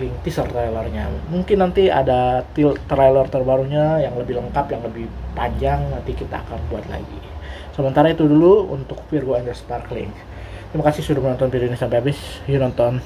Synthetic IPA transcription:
lɪŋt̪isərt̪ɾajlɔrɲa̰muŋkɪnːant̪ia̰dat̪it̪ɾajlərt̪ərbaɾuɲajaŋləbɪhləŋkapjaŋləbɪhpaɲd͡ʒaŋnant̪ikit̪a̰a̰kanbuat̪la̰ɡḭ | səmənt̪aɾait̪uduluṵnt̪ʊk̚firɡoɛnd̪ərsparklɪ̰ŋ | t̪ɾimakasɪhsudʊhmnɔnt̪ɔnpidonisampɛabɪsjunɔnt̪ɔn

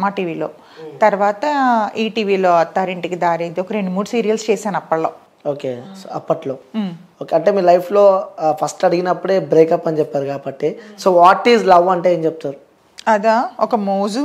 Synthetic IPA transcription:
maːʈiːʋiːlo̰ː | t̪ɐɾʋaːt̪ɐiːʈiːʋiːloːɐt̪ːaːɾiɳʈikid̪aːɾiːd̪iɔkɐɾe̞ɳɖumuːɽusiːɾijɐlst͡ʃɛːsaːnɐpːɐɽloː | oːkeːsoɐpːɐʈloːoːkeːɐɳʈeːmiːlɐjpʰlo̞ːpʰɐsʈɐɽiɡinɐpːuɽeːbɾeːkɐpːɐnt͡ʃɛpːaːɾukaːbɐʈːesoːʋaːʈːiːzlɐʋɐɳʈeeːmt͡ʃɛp̚t̪aːɾu | ɐd̪aːɔkɐmoːd͡ʒu

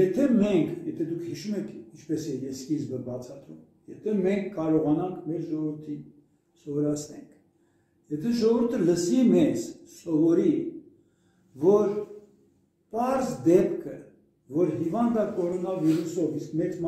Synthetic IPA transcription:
jɛt̪ʰɛmɛŋkʰjɛt̪ʰɛd̪ukʰhiʃumɛkʰint͡ʃʰpɛsɛjɛskizbəbɑt͡sʰɑd̪ɾṵm | jɛt̪ʰɛmɛŋkʰːɑɾɔʁɑnɑŋkʰmɛɾʒɔvəɾt̪ʰin | sɔvɔɾɑt͡sʰnɛŋkʰ | jɛt̪ʰɛʒɔʁuɾt̪ʰələsimɛzsɔvɔɾi | vɔɾ | pɑɾzd̪ɛpkʰə | vɔɾɦivɑnd̪ɑkɔɾɔnɑviɾusɔviskmɛt͡sm

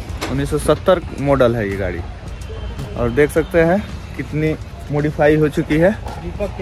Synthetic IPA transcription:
ʊnːisːɔsɐt̪ːəɾmoːɖəlɦɛjeɡa̰ːɽḭ | ɔ̰ːɾd̪eːkʰsɐk̚t̪eɦɛ̃kɪt̪ni | moːɖifʰaːiɦot͡ʃʊkiɦɛː

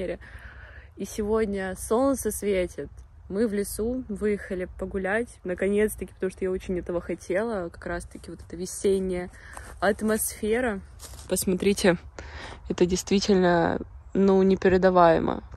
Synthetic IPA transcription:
eɾʲɪ | isʲɪvo̞dʲnʲəso̞nt̪səsvʲetʲɪt̪ | mɨvlʲɪsuvɨjɪxəlʲɪpəɡʊlʲætʲnəkɐnʲe̞t̪st̪ɐkʲɪ̥pət̪ɐmuʂt̪ojao̞t͡ɕɪnʲɛt̪əvəxɐtʲʰe̞lˠəkɐ̥kɾast̪əkʲɪvot̪ɛt̪əvʲɪsʲenʲːɪjə | ɐt̪mɐsfʲeɾə | pəsmɐt̪ɾʲitʲɪ | ɛt̪ədʲɪjst̪vʲitʲɪlʲnənunʲɪpʲɪɾʲɪd̪ɐvajɪ̰mə̰

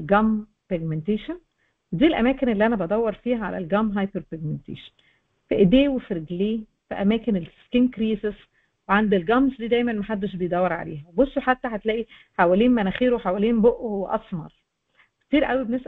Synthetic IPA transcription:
lɡæm | peɡment̪eːʃæn | wed̪iːlʔæ̰mæːkenelːiʔænæbɑd̪ˤæwːɑɾˤfiːhæʕa̰læ̰lɡæmɦɑjpeɾpeɡ̚ment̪ḛːʃɑ̥n | fiʔed̪eːwefɾeɡliː | fæʔæmæːkenelskinkɾiːses | weʕand̪elɡæmzd̪iːd̪æjmænmæħad̪ːeʃ̬bejd̪ˤæwːɑɾˤʕa̰lḛːhæwebosːoħat̪ːæħæt̪læːʔi | ħawæliːnmænæxiːɾweħawæliːnboʔʔohwæʔɑsˤmɑ̰ɾˤ | kt̪iːɾʔæwibenesʔ

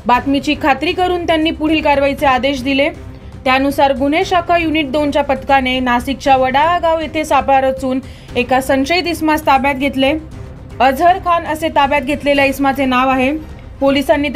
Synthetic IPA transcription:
bat̪mit͡ɕiːkʰːat̪ɾiːkəɾuːnt̪janːiːpuɽ̤iːlkaɾʋajt͡sead̪eɕ̬d̪ile | t̪janusaɾɡuneɕakʰajuniʈ̚d̪ont͡ɕjapət̪kanenasik̚t͡ɕaʋəɽaaɡaʋjet̪ʰesapɭaɾət͡suːn | ekasə̃nɕəit̪ismast̪abjat̪̚ɡʱet̪le | əd͡zʱəɾkʰanəset̪abjat̪̚ɡʱet̪leljaismat͡senaʋaɦe | polisanːiː

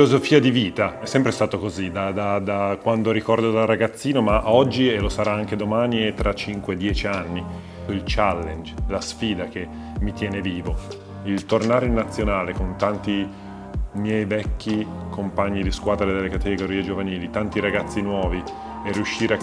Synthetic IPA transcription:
lozofiːad̪iviːt̪aɛsːɛmpɾest̪aːt̪okozid̪ad̪ad̪akwand̪oɾikɔrd̪od̪arːaɡat̪sːiːnomaʔɔd͡ʒːielosaɾaaŋked̪omaːniet̪ɾat͡ʃːiŋkwed̪ːjɛːt͡ʃianːi | ilt͡ʃalːend͡ʒlasfiːd̪ak̟e | mːit̪jɛːneviːvo | ilt̪ornaːɾeilnat̪sːjonaːlekont̪ant̪i | mjɛjvɛkːikʰompaɲːid̪iskwaːd̪ɾed̪elːekat̪eɡoɾiːed͡ʒovaniːlit̪ant̪iɾaɡat̪sːinwɔːvi | eriuʃːiːɾea

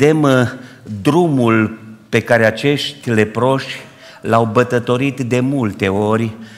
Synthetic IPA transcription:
e̞m | d̪ɾumulpe̞kaɾe̞at͡ʃe̞ʃt̪ʲle̞pɾo̞ʃʲ | lawbət̪ət̪o̞ɾit̪d̪e̞mult̪e̞o̞rʲ

